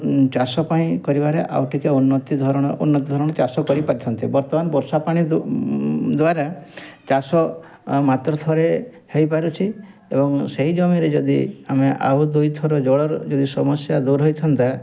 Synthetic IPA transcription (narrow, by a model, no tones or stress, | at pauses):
t͡ʃasɔpaĩkɔɾibaɾeʔa̰wʈʰikeunːɔt̪id̪ʱɔɾɔɽ̃ɔṵnːɔt̪id̪ʱɔɾɔɽ̃ɔt͡ʃasɔkɔɾipaɾit͡ʃʰɔnt̪ibɔɾt̪ɔmanɔbɔɾsapaɽ̃i | d̪waɾat͡ʃasɔ | mat̪ɾɔt̪ʰɔɾe | hejpaɾut͡ʃʰi | ebɔŋseɦid͡ʒɔmiɾed͡ʒɔd̪iameʔa̰ud̪ujt̪ʰɔɾɔd͡ʒɔɽɔɾɔd͡ʒɔd̪isɔmɔsjad̪uɾɦojt̪ʰɔnt̪a